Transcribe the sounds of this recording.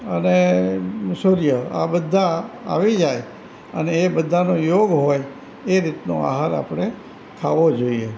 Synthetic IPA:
əne | suɾjəa̰bəd̪ʱːaa̰ʋid͡ʒaj | ə̰neːbəd̪ʱanojoɡɦoj | eɾit̪noa̰ɦaɾa̰pɽ̃e | k̪ʰaʋod͡ʒoie

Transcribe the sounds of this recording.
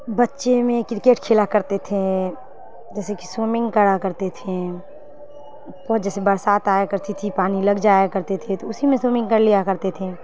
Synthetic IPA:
bɐtːʃemẽkɾɪkeːʈkʰeːlakəɾt̪et̪ʰe | d͡ʒɛːseki̥soːmɪ̃ŋɡkəɽakəɾt̪et̪ʰẽ | pɔːd͡ʒɛːsebəɾsaːt̪aːjekəɾt̪it̪ʰipaːniləɡd͡ʒaːjekəɾt̪et̪ʰẽt̪oʊsimẽsoːmɪ̃ŋɡkəɽlijakəɾt̪et̪ʰe

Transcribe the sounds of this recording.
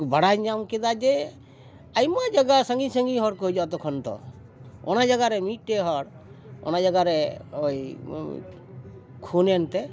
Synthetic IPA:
baɽajd͡ʒamked̪ad͡ʒe | ajmad͡ʒaɡasəŋɡisəŋɡiɦɔɾkod͡ʒat̪ɔkʰɔnt̪ɔ̰ | ɔ̰nad͡ʒaɡaɾemiʈːeɦɔɾɔ̰nad͡ʒaɡaɾeoj | kʰunent̪ɛ

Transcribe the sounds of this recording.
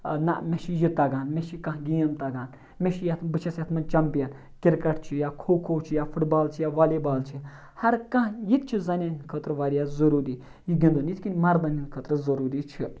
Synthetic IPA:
nɐ̰ʔmʲeʃijit̪ɐɡaːnmeʃikɐ̃ɦɡʲijɐmt̪ɐɡaːn | mʲeʃijɐt̪ʰbɨt͡ʃʰɐsɐt̪ʰmɐnt͡ʃɐmpijɐn | kʲiɾkɐʈt͡ʃʰijakʰoːkʰoːt͡ʃʰijafʰuʈbaːlt͡ʃʰijaːʋaːlibaːlt͡ʃʰi | hɐɾkɐ̃ɦjik̪t͡ʃʰizɐnʲenkʰət̪ɾɨʋaːɾijaːzɐɾuːɾiː | jiɡʲind̪onit̪ʰkʲinʲmɐɾbɐninkʰət̪ɾɨzɐɾuːɾit͡ʃʰi

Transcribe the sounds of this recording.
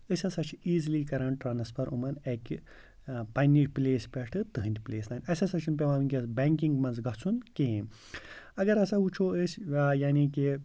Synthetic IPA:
əsʲɐsɐt͡ʃʰiːzliːkɐɾɐɳʈɾaːnɐspʰɐɾʔumɐnekʲi | pɐnʲiʈpleːsʲpʲɐʂʈʰɨt̪ɨɦɨ̃nʲt̪ʲpleːsnaːnʲɐsʲɐsɐt͡ʃʰunpʲeʋaːmɨnʲkʲɐsbeːŋkiŋɡmɐnzɡɐt͡sʰunkẽ | ɐɡɐɾɐsaut͡ʃʰoːəsʲjaːniki

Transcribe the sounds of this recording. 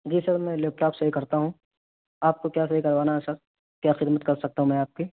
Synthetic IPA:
d͡ʒiːsɐɡɾmɛ̃leːp̚ʈaːpsɐɦikɐɾt̪aɦũ | aːp̚kokjaːs̬ɐɦikɐɾʋaːnaɦɛsɐɾ | kjaːxɪd̪mət̪kɐɾsɐk̚t̪aɦũmɛ̃aːp̚ki

